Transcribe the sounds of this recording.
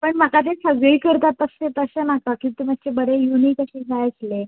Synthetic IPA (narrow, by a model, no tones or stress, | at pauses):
pəɳməkat̪̬esəɡɭiːkəɾt̪at̪ːəst̪et̪əsənakakĩnt̪umət̚t͡ɕebəɾejuniːk̪əɕiːd͡zʱajəsle